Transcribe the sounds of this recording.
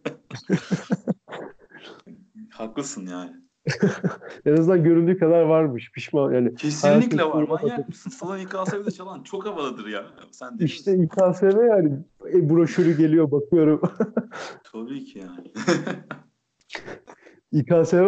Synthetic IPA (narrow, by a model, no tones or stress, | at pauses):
haklˠɯsɯnjaːnɪ | enaznd̪anɟøɾynd̪yːkʰad̪aɾvaɾmɯʃpʰiʃmanjaːnɪcʰessianj̪laic̪ʰelʲɛvauɾumabaasɯnsanaikaːsabit͡ʃalˠant͡ʃʰo̞kavalˠad̪ɯɾja | sæniʃt̪ʰɛikʰaːsevɛjanɪɛbuɾoʃuɾyɟe̞lʲijobakʰɯjo̞ɾum | t̪ʰabiːcʰijaːn | ikʰaːse